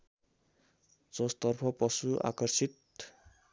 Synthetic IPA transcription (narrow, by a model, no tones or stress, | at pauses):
d͡zʌst̪ʌrpʰʌpʌsuʔa̰kʌrsit̪̚